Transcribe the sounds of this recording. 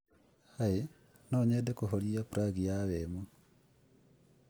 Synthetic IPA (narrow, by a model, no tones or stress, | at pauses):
haji | noɲedekuɦoliapuɾaɡijaβemu